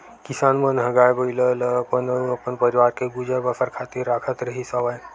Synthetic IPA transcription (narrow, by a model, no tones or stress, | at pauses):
kisaːnmənɦɐɡaːjbəilələɐpənɐpənpɐɾiʋaːɾkeɡud͡ʒəbɐfəɾkʰaːt̪iɾːaːkʰət̪ɾəɦisəʋaj